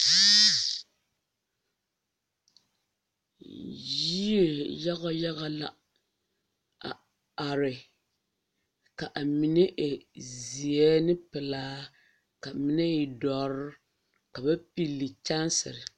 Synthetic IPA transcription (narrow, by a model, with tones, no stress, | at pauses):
ji˦e˨ja˦ɣɔ˦ja˦ɣa˨la̰˨ | a̰˨ | a˨ɾɪ˨ | ka˨ʔa˨mi˨ne˦ʔe˨zzi˨ɛ˦nɪ˦pɨ˨laː˦ | ka˨mi˨nɛ˦i˨dɔ˨ɾʊ˦ | ka˨ba˦pi˦lːi˨t͡ʃa˦nsɪ̰˨ɾɪ˨